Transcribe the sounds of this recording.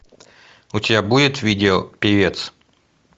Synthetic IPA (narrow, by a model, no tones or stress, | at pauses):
ʊtʲɪbʲabudʲɪt̪vʲidʲɪopʲɪvʲet̪s